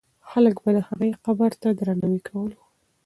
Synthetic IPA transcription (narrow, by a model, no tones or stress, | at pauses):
xaləkbalahaɣəjqabaɾt̪ad̪ɾanawikʰawəl